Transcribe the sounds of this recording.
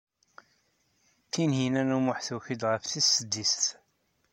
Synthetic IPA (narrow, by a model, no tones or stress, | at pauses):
θinhinænumʊħθuçid̪ʁəfθisːəd̪ːist̪